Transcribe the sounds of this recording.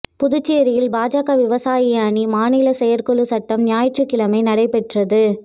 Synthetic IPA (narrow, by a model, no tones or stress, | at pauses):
pʊðɯt͡ʃːɪjɐɾɪjɪlbaːd͡ʒaːɣɐʋɪʋɐsaːjijaːnimaːnɪlɐsɛjɐɾkɔɭɯsɐʈːɐmnɪjaːjɪʈrɯkːɪlɐmɐɪnɐɽɐɪpɛʈrɐðɯ